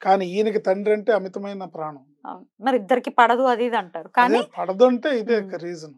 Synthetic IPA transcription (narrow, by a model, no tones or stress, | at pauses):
kaːniːiːnikit̪ɐɳɖɾɐɳʈe̞ːɐmit̪ɐmɐjnɐpɾaːɳɐm | ɐ̰d̪mɐɾiid̪ːɐɾikipɐɽɐd̪uɐd̪id̪ɐɳʈaːɾukaːnipɐɽɐd̪ɐɳʈeːid̪eːkːɐɾiːd͡ʒɐn